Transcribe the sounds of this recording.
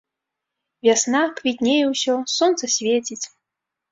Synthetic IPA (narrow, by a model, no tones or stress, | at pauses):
vʲasnakvʲit̪ʲnʲejɛwsʲɔsɔnt̪sɐsʲvʲet͡sʲit͡sʲ